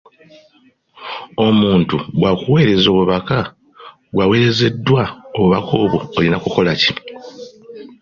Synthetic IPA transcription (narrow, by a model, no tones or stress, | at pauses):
o̞muːntuβwakuwe̞ːɾe̞zo̞ːβuβaka | ɡwawe̞ːɾe̞ze̞dːwao̞βuβakʰo̞ːβoːlinakuko̞laci